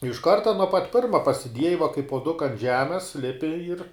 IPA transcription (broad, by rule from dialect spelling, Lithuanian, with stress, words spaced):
ɪʃ ˈkɐrtɐ nuɔ pɐt ˈpʲɪrmɐ pɐsʲɪˈdʲiɛjɪ ʋɐ kɐɪ puɔˈdʊkɐ ɐnt ˈʒʲæːmʲɛs ˈlʲɪpʲɪ ɪr